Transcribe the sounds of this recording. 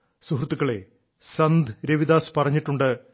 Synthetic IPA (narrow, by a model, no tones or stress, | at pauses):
suɦrut̪ːukːɐɭe̞̰ | sɐnd̪ʱɨɾeʋid̪aːspɐrɐɲːiʈːuɳɖɨ